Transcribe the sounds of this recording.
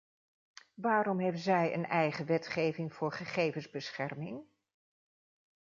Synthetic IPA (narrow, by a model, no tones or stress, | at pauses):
ʋaːɾɔmɦɛbzɛjə̰nɛjχəʋɛtχejvɪŋv̥ʊːɹχəχejvənzbəsχɛrmɪŋ